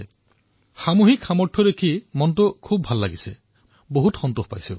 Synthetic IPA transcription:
xamuɦikʰːamɔʈʰɔdekʰimɔntukʰub̚bʱalːaɡise | boɦutxɔntuhpajsũ

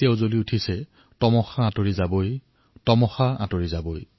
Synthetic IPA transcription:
ɛʊzoliutʰisɛ | tɔmɔxaatoɹizaboj | tɔmɔxaa̰toɹizaboj

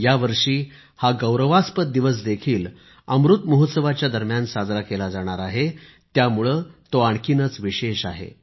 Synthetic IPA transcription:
jaʋəɾʂiː | haɡəwɾəʋaspət̪̚d̪iʋəs̬d̪ekʰiːl | ə̰mɾut̪məɦət̪səʋat͡ɕjad̪əɾmjansad͡zɾakelad͡zaɽ̃aɾaɦe | t̪jamuɭəːt̪oaɳkinət͡sʋiɕeɕaɦḛ

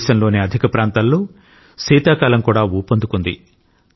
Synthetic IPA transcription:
sɐnlo̞ːniɐd̪ʱikɐpɾaːnt̪aːlːoː | siːt̪aːkaːlɐmkuːɽaːuːpond̪ukund̪ḭ

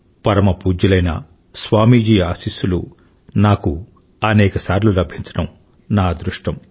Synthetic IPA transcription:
pɐɾɐmɐpuːd͡ʒɐlɐjnɐ̰ | sʋaːmiːd͡ʒiːaːsisulṵ | naːku | ɐnɛːkɐsaːɾlulɐbʱiɲt͡ʃɐ̥ɽɐm | naːd̪ɾuʂʈɐm

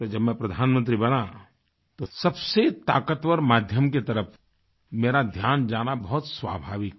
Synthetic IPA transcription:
d͡ʒɐbmɛ̃pɾɐd̪ʱaːnmə̃nt̪ɾibɐna | t̪osɐbset̪aːkət̪wəɾmaːd̪ʱjəmket̪ɐɾəpʰ | meːɾad̪ʱjaːnd͡ʒaːnabɐɦʊt̪swa̰ːbʱaːʋɪk

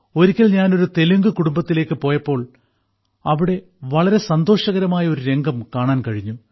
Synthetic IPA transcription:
o̞ɾikʲːɐlɲaːno̞ɾut̪e̞luŋɡɨkuɽumbɐt̪ːile̞ːkːɨpo̞ːjɐpːo̞ːɭ | ɐʋiɽe̞ | ʋɐɭɐɾe̞sɐnd̪o̞ːʂɐɣɐɾɐmaːjɐo̞ɾuɾe̞ŋɡɐmkaːɳaːnkɐɻiɲːu

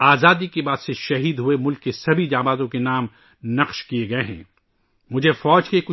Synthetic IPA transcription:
aːzaːd̪ikebaːd̪seʃɐɦiːd̪ɦuemʊlkːesɐbʱid͡ʒaːbaːzõkenaːm | nɐqʃkieɡɐeɦɛ̰̃ː | mʊd͡ʒʱefɔːd͡ʒkekʊ

